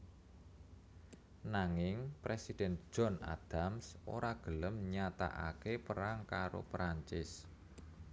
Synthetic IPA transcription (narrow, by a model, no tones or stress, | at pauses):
naŋɪŋpɾesid̥ɛn̥ʒ̥ɔ̤na̰d̪̥amsoɾaɡ̥ələmɲat̪a̰ʔa̰kepəɾaŋkaɾo̰pɾaɲt͡ʃɪs